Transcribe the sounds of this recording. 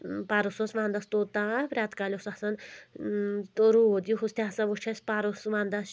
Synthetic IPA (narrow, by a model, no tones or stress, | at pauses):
paɾososʋãːnd̪ɐst̪oːt̪apɾʲaːt̪kalʲosasɐn | t̪oɾud̪juɦust̪ʰʲaɦsɐʋut͡ʃʰɐspaɾosʋãːnd̪ɐs